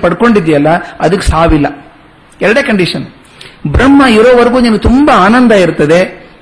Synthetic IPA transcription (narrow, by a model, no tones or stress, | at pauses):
pɐɽko̞ɳɖid̪ijɐlːɐɐd̪ɐkːesaːʋilːɐ | ɛɾɐɽeːkɐɳɖiʂɐn | bɾɐmːɐiɾoːʋɐɾɐɡuːniːnɡet̪umbaaːnɐnd̪aiɾut̪ːɐd̪e̞